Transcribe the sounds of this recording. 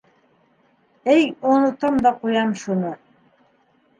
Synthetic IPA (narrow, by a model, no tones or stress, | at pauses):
æjonot̪ɑmd̪ɑqujɑmʃuno